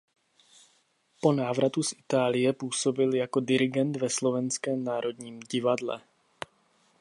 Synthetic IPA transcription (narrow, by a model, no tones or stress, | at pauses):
po̞naːvɾat̪usʔɪt̪aːlɪjɛpuːso̞bɪljako̞dɪɾɪɡɛnt̪vɛslo̞vɛnskɛːmnaːɾo̞d̪ɲiːmɟɪvadlɛ̰